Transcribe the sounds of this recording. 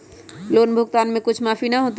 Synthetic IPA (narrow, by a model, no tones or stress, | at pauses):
loːnbʱʊɡt̪anmẽkʊt͡ʃʰmapʰinaɦot̪